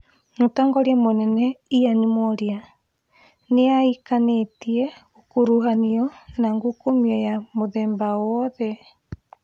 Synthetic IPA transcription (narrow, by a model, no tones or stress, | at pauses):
motaːŋɡɔɾjɛmonɛnɛijanimɔɾia | neaikanetiɛokuɾuɦaniɔnaŋɡukomiɔjamoðɛːmbawɔðɛ